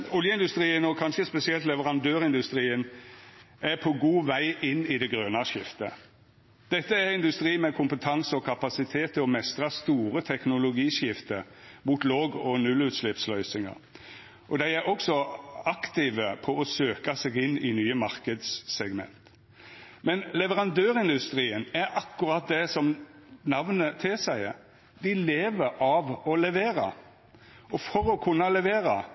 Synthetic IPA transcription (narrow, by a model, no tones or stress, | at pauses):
ʊljəɪnd̪ʉst̪ʁiːənɔkʰɑnʃəspɛsɪɛlt̪lɛʋəʁɑnd̪øːʁɪnd̪ʉst̪ʁiːən | æpʰɔɡuːʋæɪʔɪnːɪd̪ɛɡɾøːnɑʃɪft̪ə | d̪̥ɛt̪ːəæɾɪnd̪ʉst̪ʁiːmɛkʰʊmpət̪ʰɑŋsəɔkʰɑpɑsɪt̪ʰeːt̪ʰːɪlɔmɛst̪ʁɑst̪uːɾət̪ʰɛknʊlʊɡiːʃɪft̪ə | muːt̪loːɡɔnʉlʉːt̪ʃlɪpslœʏsɪŋə̰ʁ | ʔɔd̪æɪæɾʔɔksɔɑkt̪ɪʋəpʰɔɔsøːkɑseːɡɪnːɪnyːəmɑɾkəd̪ssɛɡmɛ̰nt̪ | mɛnlɛʋəʁɑnd̪øːʁɪnd̪ʉst̪ɾiːənæɾɑkːʊɾɑt̪̚d̪ɛsɔmnɑʋnət̪ʰɪlsæɪə | d̪ɪleːʋəɾɑʋɔlɛʋeːɾɑ̰ | ɔfɔɾɔkʰʉnːɑlɛʋeːɾɑ